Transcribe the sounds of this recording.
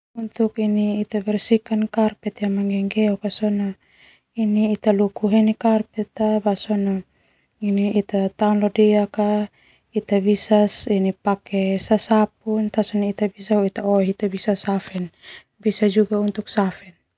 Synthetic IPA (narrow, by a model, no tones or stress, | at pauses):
unt̪ukiniːt̪abɛrsikankarpɛt̪jamaŋɡɛŋɡɛukasɔna | iniːt̪alukuɦɛnikarpɛt̪abasɔna | iniːt̪at̪aunlɔdɛaka | it̪abisasinipakɛsasap̚unt̪asɔnait̪abisauit̪aɔɦit̪abisasafɛn | bisad͡ʒuɡaunt̪uk̚safɛn